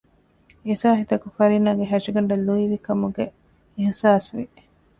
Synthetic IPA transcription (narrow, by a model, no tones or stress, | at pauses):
esaːɦit̪ɐkufɐɾinaːɡeɦæʃiɡɐɳɖɐlːuiʋikɐmuɡe | ehsaːsʋi